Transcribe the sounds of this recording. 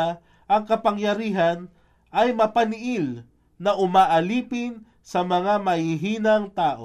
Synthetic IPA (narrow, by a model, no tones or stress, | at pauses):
ʔɐŋkɐpaŋjɐɾiːɦɐn | ʔɐjmɐpanɪʔil | nɐʔʊmaːʔɐliːpɪn | sɐmɐŋamɐiɦiːnɐŋt̪aːʔo